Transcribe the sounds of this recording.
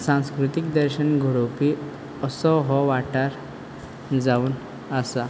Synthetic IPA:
sãw̃skɾut̪ikd̪əɾɕənɡʱuɽupi | əsɔɦɔʋaʈaɾ | d͡zauːn | asa

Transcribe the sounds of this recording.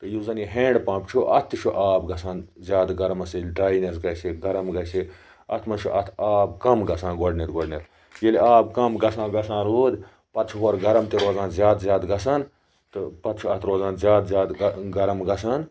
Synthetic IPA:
t̪ɨjuzɐniɦẽːɳɖpãːpt͡ʃʰuʔɐt̪ʰːɨt͡ʃʰuʔaːbɡɐsãːnzʲjaːd̪ɡɐɾɐmɐsjelʲʈaːinesɡɐsiɡɐɾɐmɡɐsi | ɐ̰t̪ʰmɐt͡ʃʰuʔɐt̪ʰaːb̚kɐmɡɐsãːnɡoɖnet̪ɡoɖnʲet̪ | jelaːbkɐmɡɐsãːɡɐsãːnɾoːd̪ | pɐt̪t͡ʃʰuɦoɾɡɐɾɐmt̪eɾoːzãːnzʲjaːd̪zʲjaːd̪ɡɐsaːn | t̪ɨpɐt̪t͡ʃʰuɐt̪ʰɾoːzãːnzʲjaːd̪zjaːd̪ɡɐɾɐmɡɐsaːn

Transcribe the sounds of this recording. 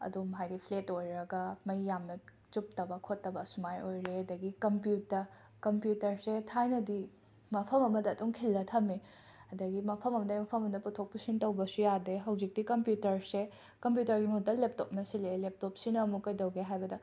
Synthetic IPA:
ɐ̰dumɦajdipʰletojɾɐɡɐmɐjːamnɐ | t͡ʃup̚tɐbɐkʰotːɐbɐsumajojɾeɐdɐɡikɐmpjutːɐ | kɐmpjutɐɾsetʰajnɐdi | mɐpʰɐmɐmɐdɐːtuŋkʰilːɐtʰɐme | ɐdɐɡimɐpʰɐmɐmɐdɐjmɐpʰɐmɐmdɐputʰok̚pusintɐwbɐsujadeɦɐwzik̚dikɐmpjutɐɾse | kɐmpjutɐɾɡimut̚ːɐlep̚top̚nɐsilelep̚top̚sinɐmukɐjdɐwɡeɦajbɐdɐ

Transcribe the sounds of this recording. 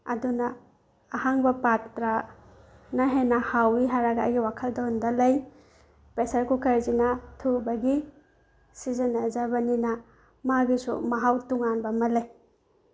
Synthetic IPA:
ɐdunɐː | haŋbɐpatɾa | nɐɦenɐhawiɦaɾaɡaːjɡiwakʰɐldahundalɐj | pesɐɾkukʰɐɾzinɐtʰubɐɡi | sizɐnɐzabɐninɐ | maɡisṵmɐɦawtuŋanbɐmɐlaj

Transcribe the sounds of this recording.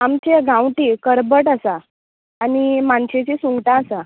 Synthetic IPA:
amt͡ɕeɡʱãwʈiːkəɾbəʈasaː | nimaɳɕet͡ɕisuŋɡʈãːsa

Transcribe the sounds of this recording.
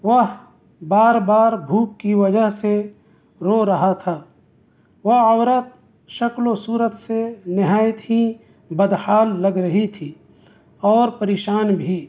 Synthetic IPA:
ʋɐɦ | baːɾbaːɾbʱuːk̚kiʋɐd͡ʒəɦse | ɾoɾɐɦat̪ʰaː | ʋɐɦɔːɾət̪̚ | ʃɐklõsuːɾət̪senɪɦaːɪt̪ɦĩ | bɐd̪haːlːɐɡɾɐɦit̪ʰiː | ɔːɾpɐɾeːʃaːnbʱiː

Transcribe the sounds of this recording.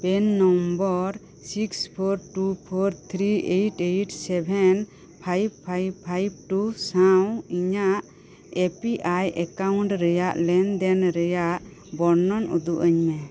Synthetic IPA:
pɛnːɔmbɔɾ | sikspʰɔɾʈupʰɔɾt̪ʰɾiejʈejʈsɛbʱɛn | pʰajbpʰajbpʰːajb̚ʈusawiɲaʔ | epiʔajʔɛkawɳʈɾɛjaʔlɛnd̪ɛnɾɛjaʔ | bɔɾnɔnṵd̪uʔəɲmɛ

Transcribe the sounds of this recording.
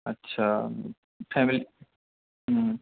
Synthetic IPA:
ɐtːɕʰa | fʰɛːmili

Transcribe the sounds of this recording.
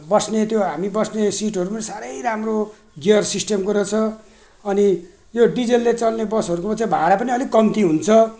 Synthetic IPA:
bʌsnet̪joɦamibʌsnesiʈɦʌɾupʌnisaɾʌjramro | ɡijʌrsisʈemkoɾʌt͡sʰʌ | ʌni | joɖid͡zelːet͡sʌlnebʌsʌɾukopʌt͡sʌbʱaɾapʌniʌlikʌmt̪iɦunt͡sʰʌ

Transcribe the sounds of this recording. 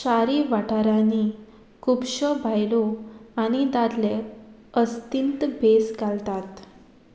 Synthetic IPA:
ɕaɾiʋaʈʰaɾani | kupɕəbʱajlɔañid̪ad̪leəst̪int̪bʱesɡalt̪at̪

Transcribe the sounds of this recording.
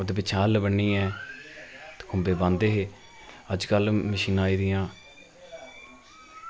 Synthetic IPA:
d̪eːpɪt͡ʃʰãːlbəɳːiːɛː | t̪kʰʊmbeːbãːnd̪eːɦeː | əd͡ʒkəlməʃiːnaːiːd̪ɪjãː

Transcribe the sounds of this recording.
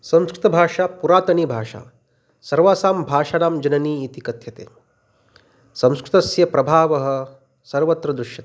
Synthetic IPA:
sɐ̃m̃skɾɪt̪ɐbʱaːʂaːpuɾaːt̪ɐniːbʱaːʂa̰ː | sɐɾʋaːsaːmbʱaːʂaːnaːmd͡ʒɐnɐniːt̪ikɐt̪jɐt̪ḛː | sɐ̃w̃skɾɪt̪ɐsjɐpɾɐbʱaːʋɐɦɐ̆ | sɐɾʋɐt̪ɾɐd̪ɾuʃjɐt̪ː

